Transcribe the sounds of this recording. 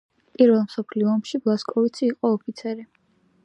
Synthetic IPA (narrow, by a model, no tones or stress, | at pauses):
pʼiɾvɛlˠmsɔpʰliɔːmʃiblˠaskʼɔvit̪sʰiːqʼɔːpʰit̪sʰɛɾi